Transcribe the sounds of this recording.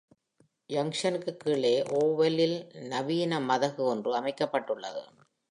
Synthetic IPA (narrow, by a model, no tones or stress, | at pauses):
jɐŋʂɐnɯkːɯkːiːɭeːʔoːʋɐlɪlnɐʋiːnɐmɐðɐɣɯɔndrɯɐmɐɪkːɐpːɐʈːɯɭːɐ̰ðɯ̰